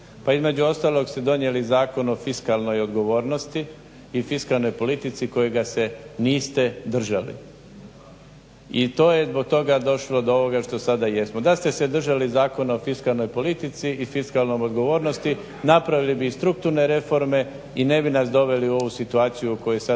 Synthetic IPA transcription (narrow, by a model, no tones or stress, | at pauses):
paizme̞d͡ʒuo̞st̪aːlˠo̞ɡst̪e̞d̪o̞nje̞lizaːko̞no̞fiskalˠno̞jo̞d̪ɡo̞ʋo̞ːɾno̞st̪iː | fiskalˠno̞jpo̞lit̪it̪siko̞jeɡase̞niːst̪e̞d̪r̩ʒalḭ | it̪o̞ːjezbo̞ɡ̚t̪o̞ɡad̪o̞ʃlo̞d̪oo̞ʋo̞ɡaʃt̪o̞sad̪ajesmod̪ast̪esed̪r̩ʒalizaːko̞nofiskalˠno̞jpo̞lit̪it̪siʔːfiskalno̞mod̪ɡo̞ʋo̞ːɾnost̪i | napɾaʋilibist̪ɾuk̚t̪uɾne̞ɾe̞fo̞ɾme̞ | ine̞binasd̪o̞ʋe̞liuo̞ʋusit̪uaːt̪sijuko̞jusa